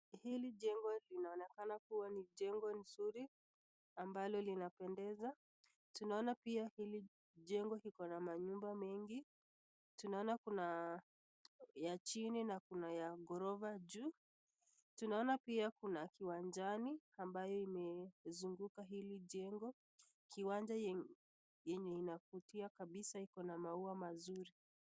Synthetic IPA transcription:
hiliʄɛŋɡɔlinaɔnɛkanakuwaniʄɛŋɡɔnsuɾi | ambalɔlinapɛndɛza | tunaɔnapiahili | ʄɛŋɡɔhikɔnamaɲumbamɛŋɡi | tunaɔnakuna | jat͡ʃininakunajaɡɔɾɔvaʄu | tunaɔnapiakunakiwand͡ʒaniambajɔimɛzuŋɡukaɦiliʄɛŋɡɔ | kʰiwand͡ʒa | jɛɲɛinakutiakaɓisaikɔnamauamazuɾi

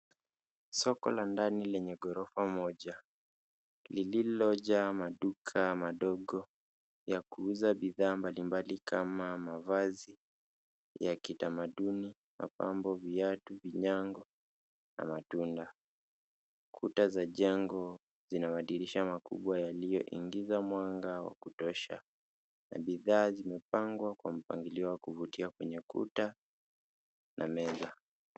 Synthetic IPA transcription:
sɔkɔ̰landanilɛɲɛɡɔɾɔfamɔʄa | lililɔʄamaɗukʰamaɗɔɠɔ | jakuuzaɓiðaːmbalimbalikʰamamavazi | jakitamaɗuni | ma̰pa̰mbɔviatuviɲaŋɡɔ | na̰matunda | kʰutazaʄɛŋɡɔ | zinamaɗiɾiʃamakṵɓwajalijɔ̰ʔḭŋɡizamwaŋɡawa̰kutɔʃa̰ | na̰ɓiðaːzimɛpaŋɡwakwam̩paŋɡiliɔwakuvutiakwɛɲɛkṵta | nʔa̰mɛza

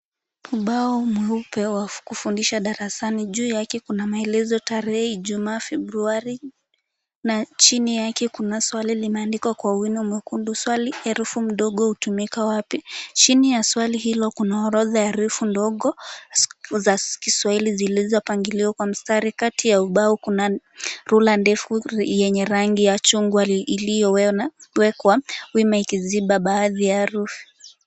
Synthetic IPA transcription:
muɓaɔmwɛupɛwakufundiʃaɗaɾasaniʄuːjakɛkunamaɛlɛzɔtaɾɛhɛʄumaːfɛbɾuaɾi | nat͡ʃinijakɛkunaswalilinɛːndikwakwawinɔmwɛkunduswaliɛɾufum̩ɗɔɠɔhutumikawapit͡ʃinijaswaliɦilɔkunaɔɾɔðajaɾufundɔɠɔ | zakiswahilizilizɔpaŋɡiliɔkwam̩staɾikatʰijauɓaukuna | ɾulandɛfujɛɲɛɾaŋɡijat͡ʃuŋɡwalijɔwɛkwawimaikiziɓaɓaːðijaɾufi̥

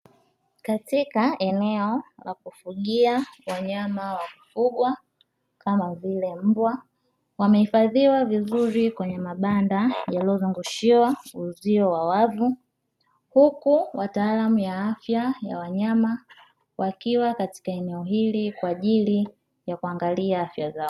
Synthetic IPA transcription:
katikaɛnɛɔla̰kufuɠiawaɲamawamifuɠwa | kamavilɛm̩bwa | wamɛhifaðiwavizuɾikwɛɲɛmaɓandajalɔzuŋɡuʃiwauziɔwawavu | hukuwataːlamujaafjaja̰waɲama | wʔakiwakati̥kaɛnɛɔhilikwaːʄili | jakuaŋɡaliaafjazaɔ

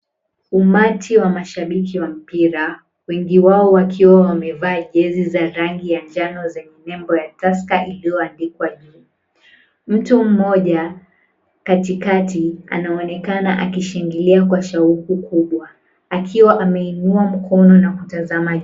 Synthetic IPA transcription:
umatʰiwamaʃaɓikiwam̩piɾa | wɛŋɡiwaɔwakʰiwawamɛvaːʄɛzizaɾaŋɡijaɲd͡ʒanɔzɛɲɛnɛmbɔjatas̬kaʔilijɔandikwaʄuː | m̩tum̩mɔʄa | katikatia̰naɔnɛkanaʔakiʃɛŋɡiliakwaʃaukukʰuɓwa | akʰiwaʔamɛinuam̩kʰɔnɔnakutazama

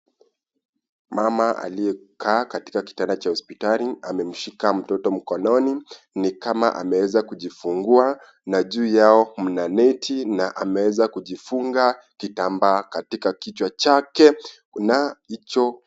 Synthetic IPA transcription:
mamaa̰lijɛ | kʰaːkati̥kaki̥tandat͡ʃahɔspitaliamɛm̩ʃikam̩tɔtɔm̩kɔnɔni | nikama̰ʔa̰mɛwɛzakuʄifuŋɡua | naʄuːjaɔm̩nanɛtʰinaʔamɛwɛzakuʄifuŋɡa | kitambaːkatikakit͡ʃwat͡ʃakɛ | nait͡ʃɔ

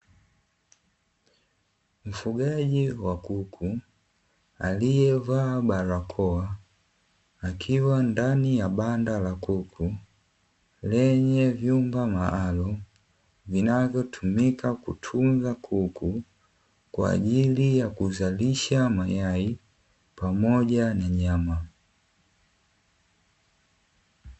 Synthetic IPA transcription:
m̩fuɡaɟiwakukʰu | alijɛvaːbaɾakʰɔa | kʰiwandanijabandalakukʰu | lɛɲɛvjumbamaʔalɔ | vinavjɔtʰumikakṵtʰunzakʰuku | kwa̰ːʄilijakuzaliʃamajai | pamɔɟanaɲama

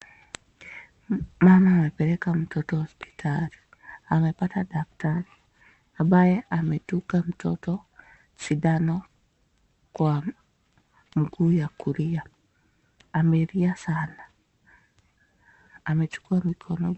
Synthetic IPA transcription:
mamaːmepɛɾɛkam̩tʰotɔhospʰi̥tʰaɾi | amepatadaktaɾi | abajeametukam̩totɔ | t͡ʃidano | kwa | mɡuːjakuɾia | ameɾiasana | met͡ʃu̥kuamikʰɔnɔ

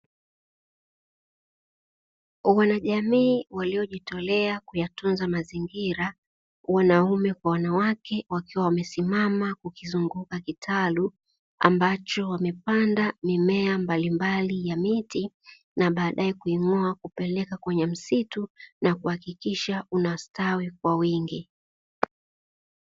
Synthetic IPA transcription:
wanaʄamiːwaliɔʄitɔlɛakujatunzamaziŋɡiɾa | wanaumɛkwawanawakɛwakiwawamɛsimamakukizuŋɡukakitʰalu | a̰mbat͡ʃɔwamɛpandamimɛambalimbalijamiti | naɓaːɗaɛkuimɔakupɛlɛkakwɛɲɛm̩situnakuhakikiʃaunastawikwawiŋɡi

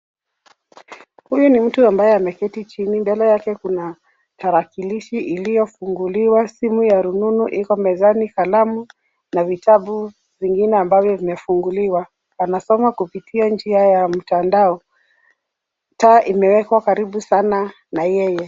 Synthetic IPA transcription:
hujunim̩tuambajɛamɛkɛtit͡ʃinimbɛlɛjakɛkuna | tʰaɾakiliʃiʔilijɔfuŋɡuliwasimujaɾununuʔikɔmɛzanikalamu | navitʰaɓu | viŋɡinɛambavjɔvimɛfuŋɡuliwa | anasɔmakupitʰiand͡ʒiajam̩tandaɔ | taːʔimɛwɛkwakaɾiɓusana | najɛjɛ

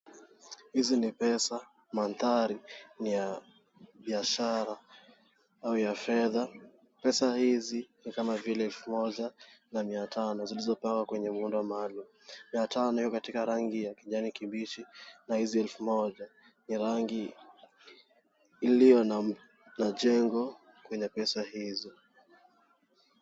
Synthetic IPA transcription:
hizinipɛsa | manθaɾinija | ɓiaʃaɾa | aujafɛða | pɛsahizinikamavilɛɛlfumɔʄanamiatʰanɔzilizɔpaŋɡwakwɛɲɛmundɔwamalum | miatʰanɔhijɔkatikaɾaŋɡijakiʄanikimbiʃinahiziɛlfumɔʄa | niɾaŋɡi | lijɔn | naʄɛŋɡɔ | kwɛɲɛpɛsahizɔ

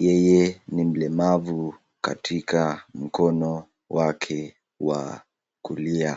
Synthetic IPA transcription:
jɛjɛnim̩lɛmavu | ka̰tʰikam̩kɔnɔ | wakʰɛ | wa̰ | kulia

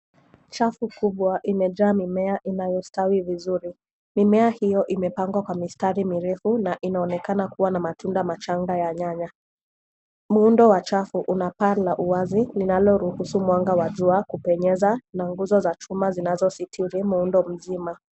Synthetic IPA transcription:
t͡ʃafukuɓwaʔimɛʄaːmimɛaʔinajɔstawivizuɾi | mimɛahijɔʔimɛpaŋɡwakwamistaɾimiɾɛfunaʔinaɔnɛkanakuwanamatʰundamat͡ʃaŋɡajaɲaɲa | muundɔwat͡ʃafuʔunapalaʔuazilinalɔɾuhusumwaŋɡawaʄuakupɛɲɛzanaŋɡuzɔzat͡ʃumazinazɔsitʰiɾimuundɔm̩zima

